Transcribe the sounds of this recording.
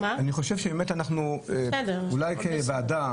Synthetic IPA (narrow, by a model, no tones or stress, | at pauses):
maaniχo̞ʃevʃebemetanaχnueɛd̪eulajkebeada